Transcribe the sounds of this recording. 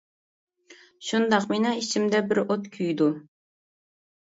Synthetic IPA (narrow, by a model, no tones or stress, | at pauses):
ʃund̪ɑqmɪnɑit͡ʃʰimd̪ɛbɪɾot̪kʲʰyjd̪u